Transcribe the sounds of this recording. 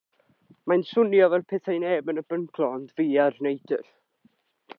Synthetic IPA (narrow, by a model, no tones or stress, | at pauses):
majnsʊnjɔvɛlˠpʰɛθajnɛbənəbənkʰlˠɔndviːarnejd̥ə̰r